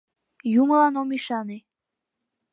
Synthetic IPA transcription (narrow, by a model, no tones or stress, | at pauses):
juməlɑnomiʃɑne